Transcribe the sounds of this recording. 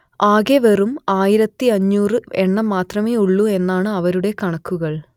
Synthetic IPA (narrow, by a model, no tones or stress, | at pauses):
aːɣeʋerumaːjiɾɐt̪ːiɐɲːuːrɨe̞ɳːɐmːaːt̪rɐmeːuɭːue̞nːaːɳɨɐʋɐɾuɽe̞kɐɳɐkːuɣɐɭ